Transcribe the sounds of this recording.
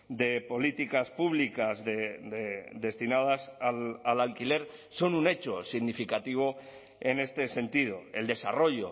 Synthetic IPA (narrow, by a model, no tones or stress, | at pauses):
d̪e̞po̞lit̪ikaspuβlikazðed̪eðe̞st̪inað̞asalalalkile̞ɾ | so̞nune̞t͡ʃosiɣnifikat̪iβ̞o̞ | e̞ne̞st̪e̞se̞nt̪ið̞o̞e̞̰ld̪e̞saro̞ʎo̞